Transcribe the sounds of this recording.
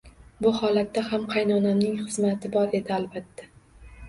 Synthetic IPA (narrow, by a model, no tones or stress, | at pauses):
bʊhɒlat̪ːahamqʰɑjnɒnamnɪŋχɨzmat̪ʰɪbɒɾe̞d̪ɪalbat̪ːḁ